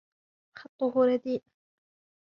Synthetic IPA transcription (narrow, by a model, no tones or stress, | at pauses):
xɑt̪ˤːʊɦʊɾˤɑd̪iːʔ